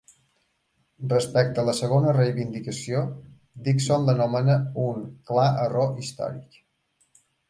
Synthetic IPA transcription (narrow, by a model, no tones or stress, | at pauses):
rrəspɛk̚t̪ələsəɣonərejβind̪ikəsio | d̪iksond̪ənomənəuŋklaəroʔist̪ɔ̰ɾḭk